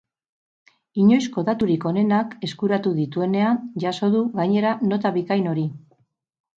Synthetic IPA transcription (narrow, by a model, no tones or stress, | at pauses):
iɲo̞jsko̞ðat̪uɾiko̞ne̞nake̞skuɾat̪uðit̪ue̞ne̞and͡ʒaso̞ðuɣaɲe̞ɾano̞t̪aβikajno̞ɾi